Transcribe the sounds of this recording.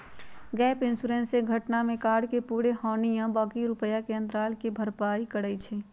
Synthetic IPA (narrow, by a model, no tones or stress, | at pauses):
ɡɛːpɪnsuɾẽnseɡʱəʈnamẽkaːɾɖkepuːɽeɦɔːnijãbaːkiɾʊpəjakeə̃nd̪ɾaːlkebʱəɾpaːikəɽət͡ʃʰe